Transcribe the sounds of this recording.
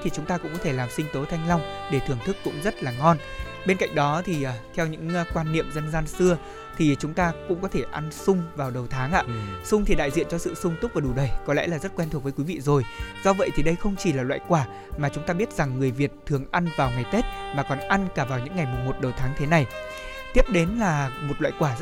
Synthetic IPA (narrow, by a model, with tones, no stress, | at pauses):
t̪ʰi˨˩t͡ɕʊ˨˦ŋ͡mt̪aː˧kʊ̰˧˥ŋ͡mkɔ˨˦t̪ʰe˧˩laː˨˩msï˧ŋ̟t̪o˨˦t̪ʰa˧jŋ̟la˧wŋ͡mɗe˧˩t̪ʰɨ˨˩əŋt̪ʰɨ˦˥kːʊ̰˧˥ŋ͡mzə˦˥t̚laː˨˩ŋɔ˧n | ɓe˧nka̰˧˨jŋ̟ɗɔ˨˦t̪ʰiː˨˩˨t̪ʰɛ˧wɲɨ̰˧˥ŋ˦kwaː˧nːḭ˧˨əmzə˧nzaː˧nsɨ˧ə | t̪ʰi˨˩t͡ɕʊ˨˦ŋ͡mt̪aː˧kʊ̰˧˥ŋ͡mkɔ˨˦t̪ʰe˧˩ʔa˧nsʊ˧ŋ͡mvaː˨˩wɗə˨˩wt̪ʰaː˨˦ŋʔa̰ː˧˨sʊ˧ŋ͡mt̪ʰi˨˩ɗa̰ː˧˨jzḭ˧˨ənt͡ɕɔ˧sɨ̰˧˨sʊ˧ŋ͡mt̪ʊ˦˥vaː˨˩ɗu˨˩ɗə˨˩jkɔ˨˦lɛ̰˧˥laː˨˩zt̚kwɛ˧nt̪u˨˩k̚əː˨˦jkwi˨˦vḭ˧˨zo˨˩jz̥ɔ˧və̰˧˨jt̪ʰi˨˩ɗə˧jxə˧wŋ͡mt͡ɕi˨˩laː˨˩lwa̰ː˧˨jkwaː˧˩ | maː˨˩t͡ɕʊ˨˦ŋ͡mt̪aː˧ɓi˦˥ət̚za˨˩ŋːɨ˨˩əjvi˨˩ət̚t̪ʰːɨ˨˩əŋʔa˧nvaː˨˩wŋa˨˩jt̪e˦˥t̚maː˨˩kɔ˨˩nʔa˧nkaː˧˩vaː˨˩wɲɨ̰˧˥ŋːa˨˩jmʊ˨˩ŋ͡mmo˨˩t̚ɗə˨˩wt̪ʰaː˨˦ŋt̪ʰe˨˦na˨˩j | t̪i˦˥p̚ɗe˨˦nlaː˨˩mo˨˩t̚lwa̰ː˧˨jkwaː˧˩˦